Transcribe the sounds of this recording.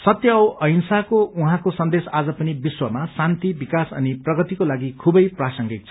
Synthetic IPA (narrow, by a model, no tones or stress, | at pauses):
sʌt̪jʌwʔʌjnsakouɦãkosʌnd̪esad͡zʌpʌnibiswʌmasant̪ibikasʌ̰niprʌɡʌt̪ikolaɡikʰubʌjprasʌŋɡik̚t͡sʰʌ